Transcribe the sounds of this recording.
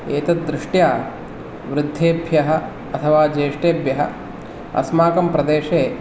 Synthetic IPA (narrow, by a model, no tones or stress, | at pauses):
eːt̪ɐt̪̚d̪ɾɪʂʈjaː | ʋɾɪd̪ʱːeːbʱjɐɦɐ̆ | ɐt̪ʰɐʋaːd͡ʒeːʂʈeːɐbʱjɐɦɐ̰ | ɐ̰smaːkɐmpɾɐd̪eːʂeː